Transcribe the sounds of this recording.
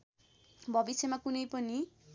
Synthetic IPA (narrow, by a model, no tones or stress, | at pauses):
bɔbisʰemakunejpɔni